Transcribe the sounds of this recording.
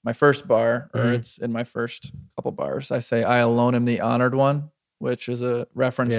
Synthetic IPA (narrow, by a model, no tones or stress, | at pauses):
maɪfɜ˞s̚b̥ɑɹə˞ɨtsɨ̃nmaɪfɜ˞skʰʌpl̩ˠbɑ̰ɹz̥aɪseɪʔaɪəlõʊ̃ñɨ̃mðiʔɑnə˞d̚wʌ̃n | wɪt͡ʃɨzəɹɛfɹɨ̃ns